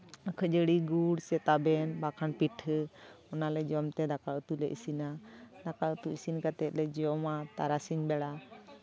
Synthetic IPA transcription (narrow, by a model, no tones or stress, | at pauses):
əkʰəd͡ʒəɽiɡuɽsɛt̪abɛnbakʰanpiʈʰ | ɔnalɛd͡ʒɔmt̪ɛd̪akaət̪ulɛʔḭsinad̪akaut̪uisinkat̪ɛt̪̚lɛd͡ʒɔmat̪aɾasiɲbɛɽa